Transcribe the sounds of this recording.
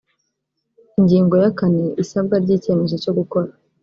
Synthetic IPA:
iɲɟiːŋɡo̞jakaneʔisab̚ɡaɾɟiːce̞me̞zo̞co̞ɡuko̞ɾa

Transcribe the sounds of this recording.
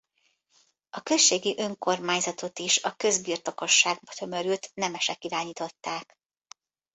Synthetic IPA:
ɒkø̞sʃːeːɡiʔø̞ŋko̞rmaːɲzɒt̪o̞t̪iʃɒkø̞zbirt̪o̞ko̞ʃːaːɡ̚bɒt̪ʰø̞mø̞ɾyːt̪nɛmɛʃɛkiɾaːɲiːt̪o̞t̪ːaːk

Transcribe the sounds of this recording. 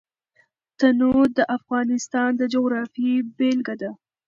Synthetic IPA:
t̪anod̪əʔafɣɑnɪst̪ɑnd̪əd͡ʒoɣɾɑfibelɡad̪a

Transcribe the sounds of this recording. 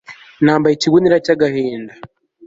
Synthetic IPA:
naːmbaiciβuniɾacaɡahiːnda

